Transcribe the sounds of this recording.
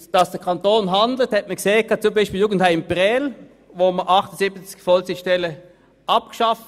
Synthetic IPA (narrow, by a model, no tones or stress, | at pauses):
d̥ɑsd̥əɐkʰɑntoːnɦɑndl̩thɛt̚məkseːəkʰɑnt͡sʊmbaɪʃpiːljuːɡən̩thaɪmpʁɛl | voːməʔɑχtəsɪbət͡skfɔlsɪʃtɛlə | ʔɑp̚kʃɑft